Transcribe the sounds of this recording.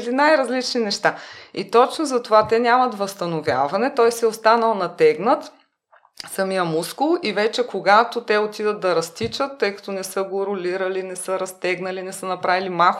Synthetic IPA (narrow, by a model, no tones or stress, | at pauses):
d̪inajɾɐzlit͡ʃninɛʃt̪ait̪ɔt͡ʃnozɐt̪ovat̪ɛnʲamɐt̪vɐst̪ɐnovʲja̰vɐnɛt̪ɔjsɛost̪anəlˠnɐt̪ɛɡnət̪ | sɐmijəmuskʊlˠivɛt͡ʃɛkoɡat̪ot̪ɛot̪id̪ət̪̚d̪ɐɾɐst̪it͡ʃət̪ːɤjkɐ̥t̪onɛsɤɡoɾʊlʲiɾəlinɛsəɾɐst̪ɛɡnɐlinɛsənɐpɾavilimax